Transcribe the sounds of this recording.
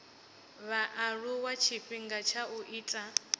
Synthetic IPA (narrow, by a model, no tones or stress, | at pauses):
βaʔaɺuwat͡ʃʰiɸiŋɡat͡ʃʰaʔuʔiːtʼa